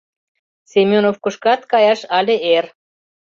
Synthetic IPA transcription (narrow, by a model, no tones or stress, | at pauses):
semʲjonofkuʃkɑt̪kɑjɑʃɑlʲeer